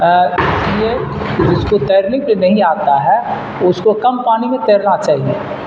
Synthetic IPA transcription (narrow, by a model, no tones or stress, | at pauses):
ɪsie | d͡ʒɪskot̪ɛːɾniklenɐɦĩaːt̪aɦɛ | ʊskokɐmpaːnimẽt̪eːɾnat͡ʃaːɦieː